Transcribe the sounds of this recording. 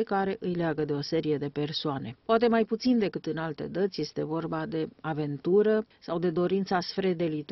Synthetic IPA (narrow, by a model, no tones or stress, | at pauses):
kaɾe̞ʔɨjleaɡəd̪e̞o̞se̞ɾije̞d̪e̞pe̞rsoane̞poat̪̬e̞majput̪sind̪e̞kɨt̪ɨnalt̪e̞̰d̪ət̪sʲje̞st̪e̞vo̞rbad̪e̞ave̞nt̪uɾəsawd̪e̞d̪o̞ɾint̪sasfɾed̪e̞lit̪